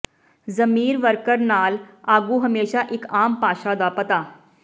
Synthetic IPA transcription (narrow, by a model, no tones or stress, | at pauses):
zəmiːɾʋəɾkəɾnaːlaːɡuːɦəmeːʃaʔɪkaːmpaːʃad̪apət̪aː